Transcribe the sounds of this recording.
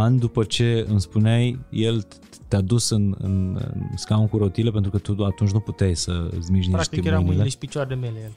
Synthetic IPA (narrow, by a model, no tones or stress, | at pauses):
and̪upət͡ʃe̞ɨmspuneajje̞l | t̪ead̪usɨnɨ̰nɨ̰skaunkuɾo̞t̪ile̞pent̪ɾukət̪uat̪unt͡ʃʲnuput̪ejsə̰zmiʒniʃt̪emileiʃpit͡ʃard̪emeljel